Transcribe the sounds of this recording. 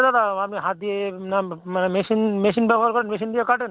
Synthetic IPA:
d̪ad̪aapniɦat̪̚d̪ienamanemesinmesinbɛbʱɔɦaɾkɔɾenmes̬ind̪iekaʈen

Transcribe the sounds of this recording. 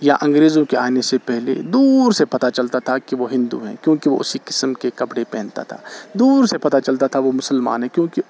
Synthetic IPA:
jaʔɐ̃ŋɡɾeːzõkeaːnesepɛɦlḛd̪uːɾsepɐt̪at͡ʃɐlt̪at̪ʰakiʋoɦɪ̃nd̪ṵɦɛ̰̃ːkjõːkiʋoʔʊsikɪ̥səmkekɐpɽepɛ̃ːnt̪a̰t̪ʰa̰ːd̪uːɾsepɐt̪at͡ʃɐlt̪at̪ʰaʋomʊsəlma̰ːnɦɛ̃kjõːki

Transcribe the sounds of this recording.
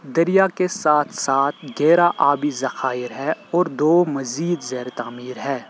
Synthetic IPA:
d̪ɐɾijakesaːt̪ʰsaːt̪ʰɡɛːɾaʔaːbizɐxaːɪɾɦɛɔːɾd̪oːmɐziːd̪zɛːɾt̪aːmiːɾɦɛː

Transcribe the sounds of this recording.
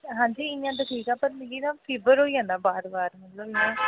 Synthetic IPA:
ɦãːɲd͡ʒiːɪjãːt̪̬aʈʰiːkaːpəɾjinãːpʰeːbəɾɦoːiːãːnd̪aːbaːɾbaːɾmət̪ləbɪjãː

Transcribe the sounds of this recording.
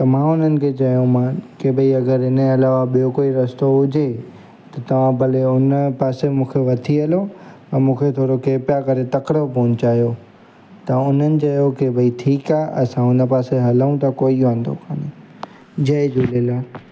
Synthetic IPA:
t̪ɐmãʊn̤ənɪ̆kʰet͡ɕɐjõmãkebəiɐɡəɾɪnəɐlaːʋaɓijokoːiɾɐst̪oɦʊd͡ʑʱe | t̪ɐt̪ɐʋ̤ãbɐleʊnəpaːsemũːkʰeʋɐt̪ʰiɦɐlo | ɐ̃mũːkʰet̪ʰoːɽokeːpjakɐɾet̪ɐkɾəpoːnt͡ɕaːɦjo | t̪ɐʊn̤ənɪ̆t͡ɕɐjokebʱəiʈʰiːkaːʔɐsãʊnə̆paːseɦɐləũt̪akoːiʋãːn̆d̪o̰kʰaːne | d͡ʑɐɪd͡ʑuleːlaː

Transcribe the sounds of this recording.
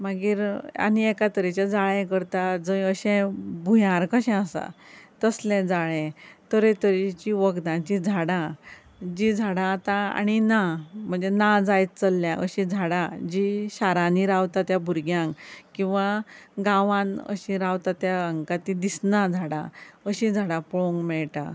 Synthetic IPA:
maɡiːɾa̰niɛkat̪əɾet͡ɕjad͡zaɭɛ̃kəɾt̪ad͡zəjəɕɛ̃bʱujãɾkəɕɛ̃əsa̰t̪əslɛ̃d͡zaɭɛ̃t̪əɾẽt̪əɾit͡ɕiʋəɡd̪ãt͡ɕid͡zʱaɽã | d͡ʑid͡zʱaɽãːt̪aa̰ñinam̤əɳd͡zenad͡zajt͡st͡səlːjãʔə̰ɕĩd͡zʱaɽãd͡ʑiɕaɾãniɾawt̪at̪jabʱuɾɡjãŋkĩw̃ʋaɡaʋãnə̰ɕĩɾawt̪at̪jaəŋkat̪id̪isnad͡zʱaɽã̰əɕĩd͡zʱaɽapoŋɡmɛɭʈã̰

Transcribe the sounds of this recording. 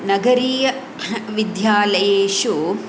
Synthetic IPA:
nɐɡɐɾiːjɐ | ʋid̪jaːlɐjeːʃu

